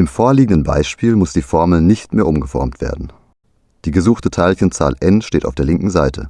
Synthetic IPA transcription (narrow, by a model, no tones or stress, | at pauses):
ʔɪmfoːɐliːɡŋ̩dənba̰ɪʃpiːlmʊsd̥iːfɔɐml̩nɪçtmeːɐʔʊmɡəfɔ̰ɐmtv̥ḛːɐdn̩ | d̥iːɡəzuːxtətʰaɪlçənt͡sa̰ːlʔɛnʃteːta̰ʊfd̥eːɐlɪŋkŋ̩zaɪtʰə̰